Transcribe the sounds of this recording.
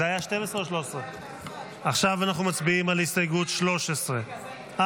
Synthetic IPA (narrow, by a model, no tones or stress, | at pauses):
eajaʃte̞mesʁeoʃloʃesʁe | aχʃavanaχnumat͡sbiimalistajɡut̪ʃlo̞ʃesʁe | a